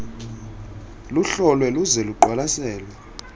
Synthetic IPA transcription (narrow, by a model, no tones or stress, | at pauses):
luɬɔlwɛluzɛluǃwalasɛːlwa